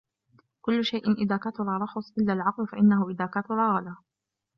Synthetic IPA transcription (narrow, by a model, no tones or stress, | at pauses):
kʊlːʊʃajʔɪnʔɪðaːkat̪ʊɾˤɑːɾˤɑxʊsˤʔɪlːaːlʕɑqlfaʔɪnːahʊʔɪðaːkat̪ʊɾˤɑːɣɑlaː